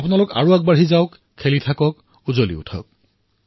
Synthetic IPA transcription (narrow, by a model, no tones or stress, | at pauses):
apʊnalʊka̰ɹuak̚baɹɦizaʊkʰːelitʰakɔk̚ | uzolḭʊ̰tʰɔ̰k̚